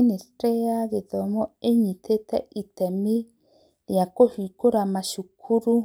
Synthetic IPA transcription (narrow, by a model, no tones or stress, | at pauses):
nestɾeaɣeðɔmɔeɲit̪et̪ɛ̰it̪ɛmi | jakohikoɾamaʃukʰuɾu